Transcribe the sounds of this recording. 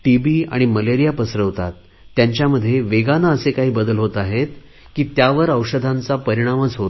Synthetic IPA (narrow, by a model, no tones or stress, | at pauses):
ʈibiːa̰ɽ̃iməleɾijapəsɾəʋt̪a̰t̪ː | jaɲt͡ɕjaməd̪ʱːjeʋeɡanaəsekaɦiːbəd̪əlɦot̪aɦet̪̚ | kiːt̪jaʋəɾəwɕəd̪ʱãnt͡sapəɾiɽ̃amət͡sɦot̪